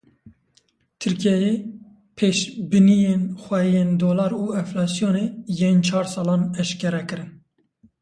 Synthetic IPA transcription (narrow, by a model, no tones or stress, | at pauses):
t̪ʰɨɾkijɛjeː | pʰeːʃbɨnijeːnxʷɛijeːnd̪oːlɑːɾuːɛflɑːsijoːneːjeːnt͡ʃʰɑːɾsɑːlɑːnɛʃkɛɾɛkɨɾɨn